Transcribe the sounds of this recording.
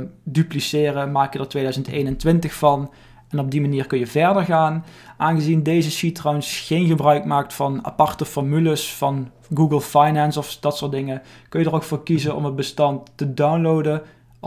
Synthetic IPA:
dyplisɪːrəmaːkjədəɹtʋeːjdœɥzəntejnəntʋɪntəxfɑn | ɛnɔb̚dimaniːrkɵnjəvɛɹdəɹɣaːn | ʔaːnɣəzindejzəʃitrawnsχejnɣəbrœɥkmaːk̚tfɑna̰pɑrtəfɔɹmyləsfɑn | ɡuːɡəlˠfajnɛnsɔfd̥ɑtsʊːdɪŋəkɵnjədərowkfoːɹkizənɔ̰mənbəstɑntːədawnlowdə

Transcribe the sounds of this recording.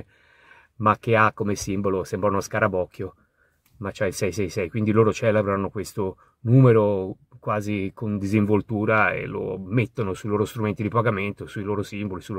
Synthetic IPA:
makːeakːomesimbolosɛmbɾanunoskaɾabɔkʰːjo | mat͡ʃɛilsɛjsɛjsɛjkwind̪iloːɾot͡ʃɛːlebɾanokwest̪o | nuːmeɾo | kwaːzikʰond̪iziɱvolt̪uːɾaḛlo̰met̪ːonosuiloːɾost̪ɾument̪id̪ipaɡament̪osuiloːɾosimbolisul

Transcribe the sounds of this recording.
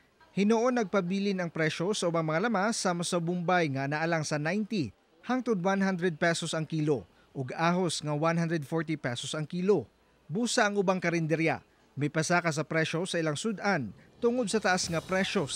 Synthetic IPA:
hɪnoʔonːɐɡ̚pɐbiːlɪnɐŋpɾɛʃo̞sɐʔʊbaŋmɐŋalɐmasaːmɐsɐbʊmbajŋɐnɐʔɐlaŋsɐnajnt̪i | haŋt̪ʊd̪̚wanhand̪ɾɛd̪̚pɛsosɐŋkiːlo̞ | ʔoɡaːɦo̞sŋɐwanhand̪ɾɛd̪̚foɹt̪ipɛsosɐŋkiːlo̞ | buːsɐʔɐŋʔʊbaŋkɐɾɪnd̪ɛɾja̰ | mɐjpɐsaːkɐs̬ɐpɾɛʃo̞sɐʔɪlaŋsʊd̪ʔant̪ʊŋod̪̚sɐt̪ɐʔasŋɐpɾɛʃo

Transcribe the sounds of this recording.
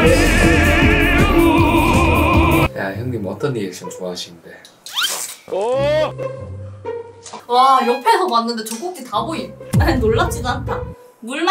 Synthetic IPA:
ja̰çjʌŋɡimʌt͈ʌnɲːiet͡ɕ͈ʰomt͡ɕuaɕʰinde | ʌ | wajopʰesʰʌmanːɯnde̞t͡ɕok͈ok̚t͈itaboianoɭːat͡ɕ͈iduantʰa | muɭm

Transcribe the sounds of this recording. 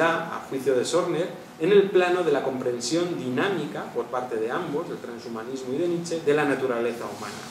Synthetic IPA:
aa̰xwiθjoðe̞so̞ɾneɾ | ene̞lplano̞ð̞e̞lako̞mpɾẽ̞nsjo̞nd̪inamikapo̞ɾpaɾt̪e̞ðe̞ambo̞zðe̞lt̪ɾansumanizmoiðe̞nit͡ʃe̞ðe̞lanat̪uɾale̞θauma̰na̰

